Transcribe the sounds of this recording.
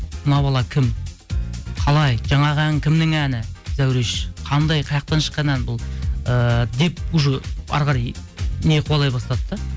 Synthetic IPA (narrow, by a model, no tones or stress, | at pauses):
mnɑbɑlˠɑkʲʰɪm | qʰɑlˠɑjʒɑɴɑʁəæŋkʲʰɪmnɪŋænɪz̥æwɾe̞ʃqʰɑnd̪ɑjqʰɑjɑq̚t̪ɑnʃə̥qːɑnænbʊlˠəd̪e̞p̚ʊʒəɑ̰ɾʁɑɾɑjneqʰwolˠɑjbɑst̪ɑt̪ːə